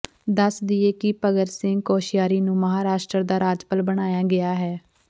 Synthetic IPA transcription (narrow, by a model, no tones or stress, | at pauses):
d̪əsd̪ieːkipəɡəɾsɪŋɡkoːʃijaːɾiːnũːməɦaːɾaːʃʈɾəɾd̪aːɾaːd͡ʒpəlbəɽ̃aːjaːɡɪaːɦɛː